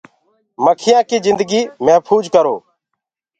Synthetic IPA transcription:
məkʰɪjãːkiːzɪ̃nd̪ɡiːmɛ̃ːpʰuːd͡ʒkəɾoː

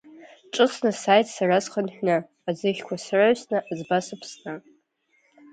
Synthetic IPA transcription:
ʈ͡ʂʼɨsnasajtʰsarazχanħʷᶣna | azɨχʲkʷʰasraʕsnaʔazbasɨpʰsna

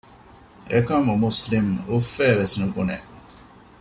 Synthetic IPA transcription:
ekɐmumuslimufːæːʋesnubunḛ

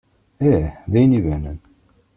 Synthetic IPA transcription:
æħðæjnivænə̰n

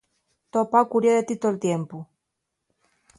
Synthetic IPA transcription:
t̪opawkuɾjeðet̪it̪olt̪jempu

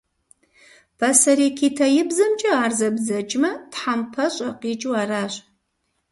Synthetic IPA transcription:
b̥ʰɐsɐɾiːkʰiːtʰɐjɪbzɐmt͡ʃʼɐaːrzɐbzɐt͡ʃʼmɐtħampʰɐɕʼɐqiːt͡ʃʼuaːɾaːɕ

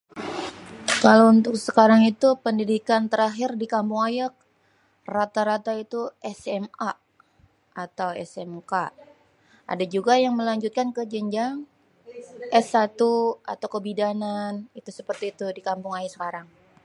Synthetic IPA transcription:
kalount̪ʊk̚səkaɾaŋit̪upəndidikant̪əɾaɦɪrdikampʊŋajak̚ | rat̪aɾat̪ait̪uʔɛsɛma | at̪awɛ̰sɛmka | ʔa̰dad͡ʒuɡajaŋməlaɲd͡ʒut̪̚kankəd͡ʒəɲd͡ʒaŋ | ʔɛsat̪ua̰t̪awkəbidananit̪usəpərt̪iːt̪udikampʊŋajasə̥kaɾaŋ

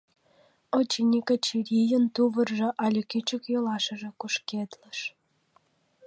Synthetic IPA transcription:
ot͡ɕːinʲikət͡ɕiɾʲijə̆nt̪uβə̆rʒĕʔɑlʲə̆kʲyt͡ɕə̆kjolɑʃə̆ʒĕkuʃked̪ləʃ

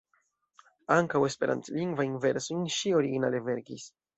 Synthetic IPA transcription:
aŋkawe̞spe̞ɾʔa̰ntliŋɡvajinve̞ɾsojnʃioɾiɡina̰leve̞ɾɡis

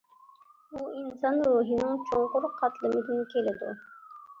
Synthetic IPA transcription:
uinsɑnɾuːɦɪnɪŋt͡ʃʰoɴqʊɾqʰɑt̪lˠɪmɪd̪ɪnkʲʰelɪd̪ʊ̰

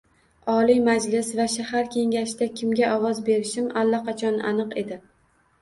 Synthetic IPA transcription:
ɒlˠijmad͡ʒlɪsvaʃahaɾkʲʰe̞ŋɡʲaʃd̪akʲʰɪmɡʲaʔɒwɒzbe̞ɾɪʃɪmalːaqʰɑt͡ʃʰɒna̰nɨqe̞d̪ɪ

